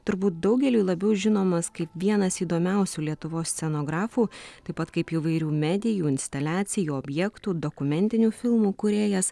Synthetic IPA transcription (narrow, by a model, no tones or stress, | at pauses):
t̪ʊɾbuːt̪̚d̪ɐʊɡʲɛlʲuːlˠɐbʲɛʊʒʲɪnoːmɐskɐɪpʋʲiɛnɐsiːd̪oːmʲɛˑʊsʲuːlʲiɛt̪ʊʋoːssʲt͡s̪ʲɛnoːɡɾɑːfuːt̪ɐɪpɐt̪kɐɪpiːʋɐɪɾʲuːmʲæːd̪ʲɪjuːɪnʲsʲt̪ɐlʲæːt̪sʲɪjuːɔːbʲjɛkt̪uːd̪okʊmʲɛnʲt̪ʲɪnʲuːfʲɪlˠmuːkʊɾʲeːjɛs